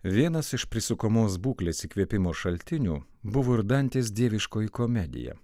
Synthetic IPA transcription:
ʋʲiɛnɐsɪʃpʲɾʲɪsʊkomoːs̬buːklʲeːsiːkʲʋʲiɛpʲɪmoːʃɐlʲt̪ʲɪnʲṵː | bʊʋoːɪɾd̪ɐnʲt̪ʲeːs̬d̪ʲiɛʋʲɪʃkoːjikomʲɛd̪ʲɪ̰jɛ̰

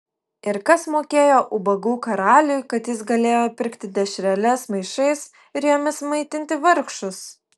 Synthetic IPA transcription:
ɪɾkɐsmoːkʲeːjoːʔʊbɐɡuːkɐɾɑːlʲʊjkɐt̪jɪsɡɐlʲeːjoːpʲɪɾkt̪ʲɪd̪ʲɛʃʲɾʲɛlʲɛsmɐɪʃɐɪs | ɪɾjoːmʲɪsmɐɪt̪ʲɪnʲt̪ʲɪʋɐɾkʃʊs

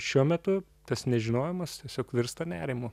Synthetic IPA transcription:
ʃʲuɔmʲɛt̪ʊ | t̪ɐsnʲɛʒʲɪnoːjɛmɐst̪ʲiɛsʲoːkʋʲɪɾst̪ɐnʲæːɾʲɪmʊ

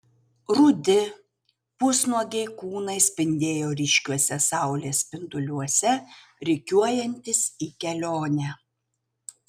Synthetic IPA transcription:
ɾʊd̪ʲɪ | pʊsnuɔɡʲɛɪkuːnɐɪsʲpʲɪnʲd̪ʲeːjoːɾʲɪʃʲkʲuɔsʲɛsɑˑʊlʲeːsʲpʲɪnt̪ʊlʲuɔsʲɛɾʲɪkʲuɔjɛnʲt̪ʲɪsiːkʲɛlʲoːnʲæ

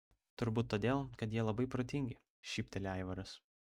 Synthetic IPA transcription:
t̪ʊɾbuːt̪ːoːd̪ʲeːlˠkɐt̪jiɛlˠɐbɐɪpɾoːt̪ʲɪŋʲɡʲɪ | ʃʲiːpʲt̪ʲɛlʲæɪʋɐɾɐs

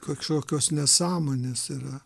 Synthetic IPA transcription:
kɐkʃoːkʲoːsnʲɛsɑːmoːnʲeːsirɐ

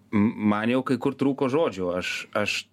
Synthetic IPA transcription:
manʲɛwkɐjkʊɾt̪ɾuːkoʒoːd͡ʒʊɐʃɐʃ

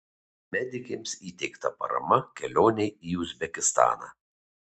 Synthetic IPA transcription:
mʲɛd̪ʲɪkʲemsiːt̪ʲɛɪkt̪ɐpɐ̰ɾɐ̰mɐkʲɛlʲoːnʲɛɪiːʊzʲbʲɛkʲɪst̪ɑ̰ːnɑ̰ː

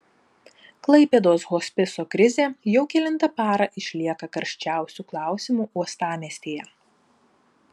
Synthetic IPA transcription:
klˠɐɪpʲɛd̪oːsɣoːsʲpʲɪsoːkɾʲɪzʲeːjɛʊkʲɛlʲɪnt̪ɐpɑːɾɐʔɪʃʲlʲiɛkɐkɐɾʲʃʲt͡ʃʲæˑʊsʲuːklˠɑˑʊsʲɪmuːʔuɔst̪ɑːmʲiɛsʲt̪ʲeːjɛ

